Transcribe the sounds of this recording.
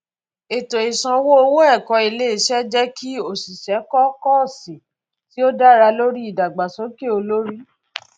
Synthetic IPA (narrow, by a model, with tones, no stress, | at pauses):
e˨to˨i˨sã˧wo˦o˧wo˦ɛ˦˨kɔ˧i˧le˦i˦˨ʃɛ˦d͡ʒɛ˦ki˦o˦˨si˨ʃɛ˨˦kɔ˦kɔ˦˨si˨ | ti˦o˦da˦˨ɾa˧lo˦ɾi˦i˦˨da˨ɡ͡ba˨sɔ̃˨˦ke˦o˧lo˦ɾi˦